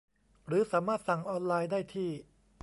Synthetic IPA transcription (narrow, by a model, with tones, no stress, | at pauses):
ɾɯː˩˦saː˩˦maː˥˩t̪̚sa˨˩ŋʔɔː˧nlaː˧jdaː˥˩jt̪ʰiː˥˩